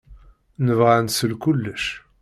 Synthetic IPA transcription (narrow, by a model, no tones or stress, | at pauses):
nəvʁansəlkʊlːəʃ